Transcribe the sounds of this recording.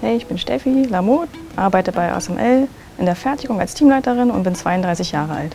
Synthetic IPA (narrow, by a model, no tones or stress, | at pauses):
hɛɪɪçb̥ɪnʃtɛ̰filamoːtʔaɐbaɪtəbaɪʔa̰sɛmʔɛl | ʔɪndeːɐfɛɐtɪɡʊŋa̰lstʰiːmlaɪtəʁɪnʊntb̥ɪnt͡sv̥aɪʊndʁaɪsɪçjaːʁəʔa̰lt